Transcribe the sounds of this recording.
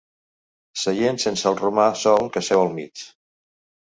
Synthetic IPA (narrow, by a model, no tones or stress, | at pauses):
səjensensəlˠrumasɔlˠkəsɛwəlˠmḭt͡ʃ